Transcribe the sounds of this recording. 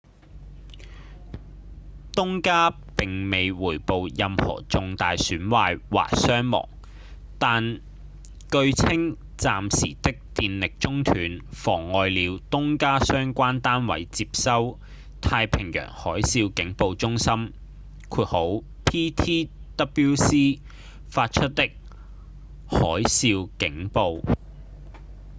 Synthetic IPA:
t̪ʊ˥ŋkaː˥ | pɪ˨ŋme˨jwuː˨˩jpo˨˧wjɐ˨˧mhɔ̰ː˨˩t͡sʊ˨ŋt̪aː˨jsyː˨˥nwaː˧jwa̰ː˨˩k̚sœː˥ŋmɔ̰ː˨˩ŋ | t̪aː˨n | kɵ˧ɥt͡sʰɪ˥ŋ | t͡saː˨msḭː˨˩t̪ɪ˥k̚t̪iː˨˧nlɪ˨k̚t͡sʊ˥ŋt̪ʰyː˨˥nfɔː˨˩ŋːɔː˨˧jliː˨˧wt̪ʊ˥ŋkaː˥sœː˥ŋkʷaː˥nt̪aː˥nwɐ̰˨˥jt͡siː˧p̚sɐ˥w | t̪ʰaː˧jpʰɪ˨˩ŋjœ̰ː˨˩ŋhɔː˨˥jsiː˧wkɪ˨˥ŋpo˨˧wt͡sʊ˥ŋsɐ˥m | kʰuː˧t̚ho˨˥w | pʰiː˥t̪ʰiː˥t̪ɐ˥pi˥wsiː˥ | faː˧t̚t͡ʃʰɵ˥t̚t̪ːɪ˥k̚ | hɔː˨˥jsiː˧wkɪ˨˥ŋpo˨˧w

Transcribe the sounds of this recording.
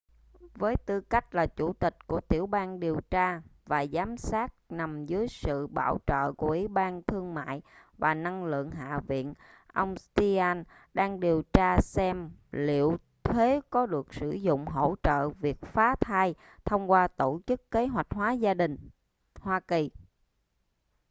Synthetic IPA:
vəː˨˦jt̪ɨ˧ka˦˥jk̟̚laː˨˩t͡ɕu˧˩t̪ï˨˩k̟̚ku˧˩ət̪i˧˩əwɓaː˧nɗi˨˩əwt͡ɕaː˧vaː˨˩zaː˨˦msaː˦˥t̚na˨˩mzɨː˨˦əjsɨ̰˧˨ɓa̰ː˧˩wt͡ɕə̰ː˧˨ku˧˩əʔi˨˦ɓaː˧nt̪ʰɨ˧əŋma̰ː˧˨jvaː˨˩na˧ŋlɨ̰˧˨əŋɦa̰ː˧˨vḭ˧˨ən | ʔə˧wŋ͡mst̪i˧aː˧n | ɗaː˧ŋɗi˨˩əwt͡ɕaː˧sɛ˧mlḭ˧˨əw | t̪ʰwe˨˦kɔ˨˦ɗɨ˨˩ək̚sɨ̰˧˩zʊ̰˧˨ŋ͡mɦo̰˧˩˨t͡ɕə̰ː˧˨vi˨˩ək̚faː˨˦t̪ʰaː˧j | t̪ʰə˧wŋ͡mkwaː˧t̪o˧˩t͡ɕɨ˦˥kːe˨˦ɦwa˨˩jk̟̚ɦwaː˨˦zaː˧ɗï˨˩ŋ̟ | hwaː˧ki˨˩

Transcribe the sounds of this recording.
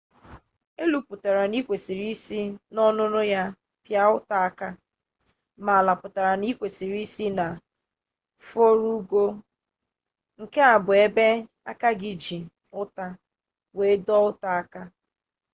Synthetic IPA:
e˦lu˨pʊ˨ta˨ɾa˨ni˦kʷe˨si˨ɾi˦si˦nɔ˦nʊ˦nʊ˦ja˦ | pja˦ʊ˦ta˦a˦ka˦ | ma˨la˨pʊ˨ta˨ɾa˨ni˦kʷe˨si˨ɾi˦si˦na˨ | fo˦ɾu˦ɡo˦ | ŋ̩˨ke˦a˨bʊ˨e˦be˦ | a˦ka˦ɡɪ˨d͡ʒi˨ | ʊ˦ta˦ | we˨˦dɔ˦ʊ˦ta˦a˦ka˦

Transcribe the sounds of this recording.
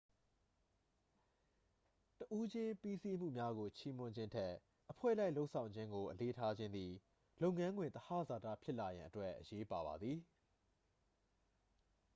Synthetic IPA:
təʔu˦d͡ʑɪ̃˦pi˦si˦m̥ṵ˦˨mja˦ɣo˨t͡ɕʰi˦mʊ̃˦ɲd͡ʑɪ̃˦ntʰɛ˦ʔ | ʔəpʰwɛ̰˦˨la˦ɪlo˦ʊʔsʰã˨ʊ̃ɲd͡ʑɪ̃˦ŋɡo˨ʔəle˦tʰa˦d͡ʑɪ̃˦nd̪i˨ | lo˦ʊʔŋːã˦ŋɡwɪ̃˨nt̪əha̰˦˨za˨tä̰˦˨pʰjɪ˦ʔla˨jã˨ʔətwɛ˦ʔːəje˦pa˨βa̰˨d̪ði˨

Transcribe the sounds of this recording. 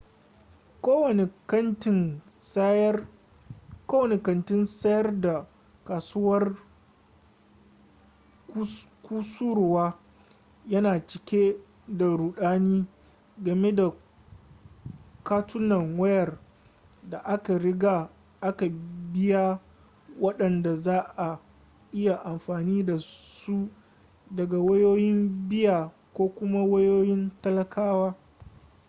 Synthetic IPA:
koː˦wɐ˨n˨˦ntɪ˦n˦ | koː˦wɐ˨ne˨kɐ˨ntɪ˦nsɐ˦jɐ˦rda˨ | kaː˨su˦wɐ˦r | kʷuː˦su˦ɾʊ˨waː˦ | jɐ˦naː˨t͡ʃɪ˨kʲe˦ | da˨ɽuː˨ɗaː˦niː˦ | ɡɐ˨me˦da˨ | kaː˦tʰʊ˦nɐ˨ŋwɐ˦jɐ˨r | da˨ʔa˦ka˨ɽɪ˦ɡa˨ | ʔa˦ka˨bɪ˦ja˦ | wɐ˦ɗɐ˨nda˨zaː˦ʔa˨ | ʔɪ˦ja˨ʔa˨mɸaː˨niː˦da˨su˦ | dɐ˨ɡa˨wɐ˦joː˦jɪ˦mbɪ˦jaː˨ | kʷoː˦kʷʊ˦ma˦wɐ˦joː˦jɪ˦ntɐ˦lɐ˦kaː˦waː˦

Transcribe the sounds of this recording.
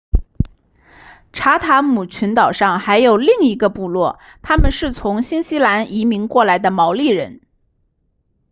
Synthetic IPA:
ʈ͡ʂʰa˧˥t̪ʰa˧˥mu˨˩t͡ɕʰy˧˥nt̪ɑ˨˩ʊʂɑ˥˩ŋxa˧˥ɪjo˨˩ʊli˥˩ŋi˧˥ɡə˧pu˥˧lwɔ˥˩ | t̪ʰa˥mə˨nʂɻ̩˥˩t͡sʰʊ˧˥ŋɕi˥nɕi˥la˧˥ni˧˥mi˧˥ŋkwɔ˥˩la˧˥ɪd̪ə˧mɑ˧˥ʊli˥˩ɻə˧˥n

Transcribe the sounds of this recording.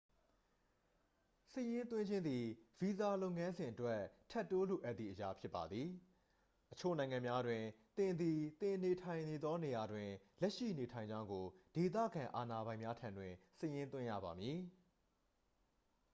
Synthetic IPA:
sə˦˨jɪ̃˦nt̪̬wɪ̃˦ɲd͡ʑɪ̃˦nd̪i˨vi˨za˨lo˦ʊʔŋã˦nzɪ̃˨ʔətwɛ˦tʰɛ˦˨tːo˦lo˨ʔɛ˦t̪ðḭ˨ʔəja˦pʰjɪ˦pːa˨d̪ði˨ | ʔət͡ɕʰo̰˦˨nã˨ɪ̃ŋã˨mja˦dwɪ̃˨ | t̪ɪ̃˨nd̪i˨t̪ɪ̃˨ne˨tʰã˨ɪ̃ne˨d̪ðɔ˦ne˨ja˨dwɪ̃˨ | lɛ˦ʔʃḭ˦˨ne˨tʰã˨ɪ̃ɲd͡ʑã˦ʊ̃ŋɡo˨de˨t̪̬ä̰˦˨ɡã˨ʔa˨na˨bã˨ɪ̃mja˦tʰã˨ndwɪ̃˨sə˦jɪ̃˦nt̪wɪ̃˦ja̰˦˨ba˨mji˨

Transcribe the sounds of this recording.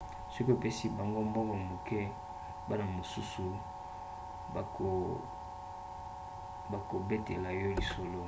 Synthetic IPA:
so˦ki˦o˨pe˦si˦ba˨ŋɡo˦mbɔ˦kɔ˨mo˨kɛ˦ | ba˦na˨mo˨su˦su˨ | ba˨ko˨be˦te˨la˨jɔ˦li˨so˨lo˦

